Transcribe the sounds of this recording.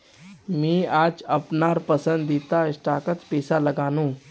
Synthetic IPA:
mẽːaːd͡ʒɐpnaːɾpəsə̃nd̪iːt̪aɪsʈaːkət̪peːsaləɡaːnũː

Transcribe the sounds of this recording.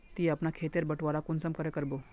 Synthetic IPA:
t̪iːɐpnakʰeːt̪eɾbɐʈʰʋaːɾakʊnsəmkəɾekəɾboː

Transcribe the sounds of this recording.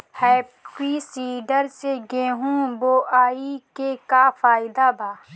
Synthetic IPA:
hɛːpisiːɖəɾseɡẽːɦũːboːʔaːikekafaːɪd̪abʱaː

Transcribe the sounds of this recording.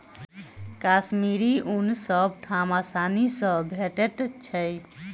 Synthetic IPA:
kasmiɾiunsəbʈʰamasanisə̃bʱeʈeʈt͡ʃʰɛj

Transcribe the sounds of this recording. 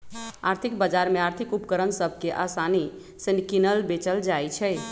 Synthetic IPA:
aɾt̪ʰikbəd͡ʒaɾmeaɾt̪ʰikupkəɾənsəbʱkeʔasani | senkinəlbet͡ʃəld͡ʒajt͡ʃʰɛj

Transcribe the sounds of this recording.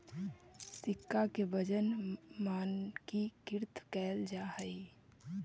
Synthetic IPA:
sɪkːakebəd͡ʒənmaːnkikɪɾt̪ʰkɛːld͡ʒaɦəi

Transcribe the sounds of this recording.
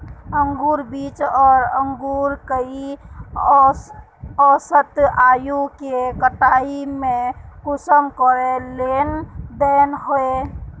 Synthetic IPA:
əŋɡuːɾbiːt͡ʃɔːɾəŋɡuːɾkəi | ɔːsət̪aːjukekəʈaːimẽkʊsəmkɔɾelend̪ɛnɦoe

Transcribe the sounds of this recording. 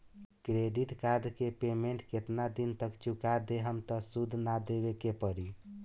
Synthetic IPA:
kɾeɖiʈkaɾɖkepemeɳʈket̪nad̪int̪əkt͡ʃukad̪eɦəmt̪əsud̪ʱnad̪ebekepəɾi

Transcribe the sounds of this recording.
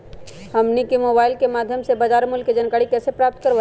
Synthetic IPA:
ɦəmnikemoːbaːɪlkemaːd̪ʱjəmsebad͡ʒaːɾmʊlkːed͡ʒənkaːɽikɛːsepɾaːp̚t̪kəɾʋ

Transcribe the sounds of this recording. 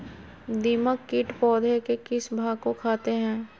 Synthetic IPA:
d̪iːməkːɪʈpɔːd̪ʱekekɪsbʱaːkokʰaːt̪eɦɛ̃ː

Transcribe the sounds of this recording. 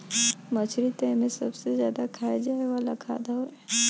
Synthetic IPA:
mət͡ʃʰɾit̪ɛmẽsɐbsezjaːd̪akʰaːjad͡ʒaːeʋaːlakʰa̰ːd̪aɦoɛ

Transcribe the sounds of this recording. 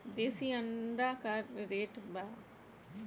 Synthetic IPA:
d̪eːsiːə̃nd̪aːkɐɾːeːʈbaː

